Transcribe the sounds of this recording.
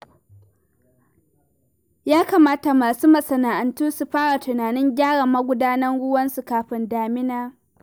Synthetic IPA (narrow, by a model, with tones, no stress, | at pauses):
jaː˦ka˨maː˦ta˨maː˨suː˦mɐ˨sɐ˨naː˨ʔa˨ntuː˦su˨ɸaː˦ɽa˨tʊ˨naː˨nɪ˦ŋɡʲaː˦ɽɐ˨mːɐ˦ɡʷʊ˦daː˦nɐ˦nɽʊ˦wɐ˦nsu˨kaː˨ɸɪ˦ndaː˨mɪ˦naː˦